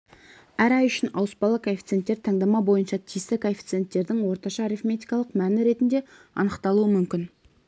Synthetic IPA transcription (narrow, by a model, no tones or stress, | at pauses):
æɾɑjʏʃɪnɑwəspɑlˠəkʰofʲit̪set̪ːe̞ɾt̪ʰɑŋd̪ɑmɑbo̞jənʃɑt̪ʰijst̪ɪkʰofʲit̪sɨe̞nt̪ːe̞ɾd̪ɪŋwo̞ɾt̪ɑʃɑɾifme̞t̪ijkɑlˠəqmænɪɾe̞t̪ɪnd̪e̞ | ɑ̰nəqt̪ɑlˠuəmʏmkʲɪn